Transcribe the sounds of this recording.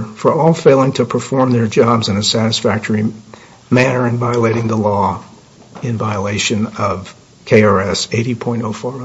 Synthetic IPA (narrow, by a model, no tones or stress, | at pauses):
fə˞ɔlˠfeɪlˠɪ̃ŋtʰɨpʰə˞fɔɹmðə˞d͡ʒɑbzɨ̃nɨsæɾɨsfæk̚tʰə˞i | mænə˞ɨ̃nvaɪəleɪɾɪ̃ŋðəlɔ | ɨ̃nvaɪəleɪʃɨ̃nʌv̥ | kʰeɪɑɹɛseɪɾipʰɔ̃ɪ̃ntoʊfɔɹ